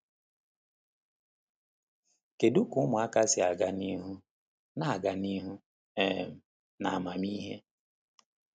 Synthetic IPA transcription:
ke˨du˦kʊ˨˦ʊ˦mʊ˨a˦ka˦sɪ˨a˨ɡa˦ni˦ɦu˦ | na˨a˨ɡa˨ni˦ɦu˦ | e˦˨m̩˨ | na˨a˨ma˨mi˦ɦe˦

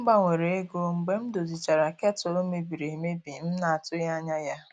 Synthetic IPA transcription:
m̩˦ɡ͡ba˦ŋʷe˨ɾe˨e˦ɡo˦ŋ͡m̩˨ɡ͡be˦m̩˦do˨zi˨t͡ʃa˨ɾa˨ke˦tʊ˨o˦me˨bi˨ɾe˨me˦bi˨˦m̩˦na˨a˨tʊ˦ja˦ɲa˦ja˦

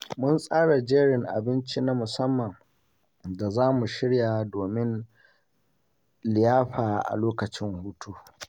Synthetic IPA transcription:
mʊ˦nsʼaː˦ɽa˨d͡ʒeː˦ɽɪ˨ŋʔa̰˨bɪ˦nt͡ʃi˦na˦mʊ˨sɐ˦mːɐ˨ŋ | da˨zaː˦mu˨ʃɪ˦ɽja˨doː˨mɪ˦n | lɪ˨jaː˦ɸaː˨ʔa̰˨loː˦kɐ˨t͡ʃɪ˦ŋhuː˦tʰuː˦

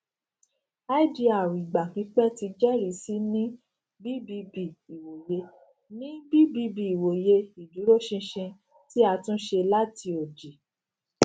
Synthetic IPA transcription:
a˦d͡ʒi˨˧a˨wi˨ɡ͡ba˨k͡pi˨˧˦k͡pɛ˦ti˧d͡ʒɛ˦ɾi˨˦si˦nĩ˦ | bi˦bi˧bi˦˨i˨wo˨je˧˦ | nĩ˦bi˦bi˧˦bi˨i˨wo˨je˧i˨du˨˦ɾo˦ʃĩ˧ʃĩ˧ | ti˦a˧tũ˦ʃe˧la˦ti˧o˨d͡ʒi˨

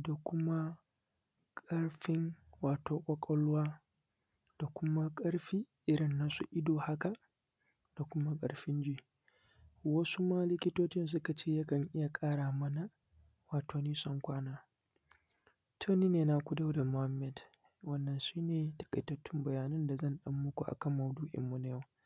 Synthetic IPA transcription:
da˨kʷʊ˦ma˦ | kʼɐ˦ɽɸɪ˦ŋwaː˨toː˨kʷʼɐ˦kʼɔ˦lwaː˦ | d̥a˨kʷʊ˦ma˦kʼɐ˦ɽɸiː˦ | ʔɪ˦ɽɪ˨nːa˦sṵ˦ʔɪ˦doː˨ha˦ka˨ | d̥a˨kʷʊ˦ma˦kʼɐ̰˨ɽɸɪ˦nd͡ʒiː˦ | wɐ˦su˦maː˦lɪ˦kʲɪ˦toː˦t͡ʃɪ˦ns̬ʊ˦ka˨t͡ʃeː˦˨ja˦kɐ˨ŋʔɪ˦ja˨kʼaː˦ɽaː˨mɐ˦na˨ | waː˨tʰoː˨niː˦sɔ˦ŋkʷaː˦naː˦ | tʰoː˦niː˦neː˨na˦kʷʊ˦da˦wda˨mʊ˨ha˦mːɛ˦d | wɐ˦nːɐ˨nʃiː˦neː˨tɐ̥˨kʼɐ̰˨jtɐ˦tːɪ˦mbɐ˨jaː˨nɐ˦nda˨zɐ˦˨nɗɐ˦mːʊ˦kʷu˨ʔa̰˨kɐ˦mːɐ˨wduː˦ʔɪ̰˨mːu˨na˨jɐ˦w

